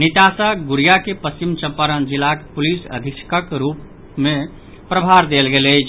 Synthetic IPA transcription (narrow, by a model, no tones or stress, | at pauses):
nit̪asaɡuɾijakepəst͡ʃimt͡ʃəpːəɾənd͡ʒilakpulisə̰d̪ʱikskəkɾup | me | pɾəbʱaɾd̪elɡeləjt͡ʃʰ